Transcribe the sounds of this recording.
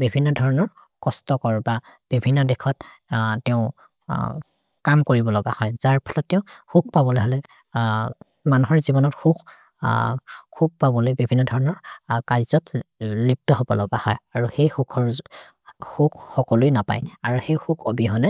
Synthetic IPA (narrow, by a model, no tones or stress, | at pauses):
bibʱinːɔdʱɔɹɔnɔɹ | kɔstɔkɔɹbab̥ibʱinːɔdɛkʰɔttɛʊ̃ | kamkoɹibɔlɔɡahɔjz̥aɹpʰɔ̥lɔtːɛʊ̃xuk̚pabɔlojɦɔlɛ | manuɦɔɹzibɔnɔtxuɡ | kuk̚pabɔlojbibʱinːɔdʱɔɹɔnɔɹkajzɔtlip̚tɔɦɔbɔ̰lɔɡa̰hɔjaɹuxejxukʰɔɹ | hukxɔkɔlʊinapa̰jaɹuxejxukʰobiɦɔlɛ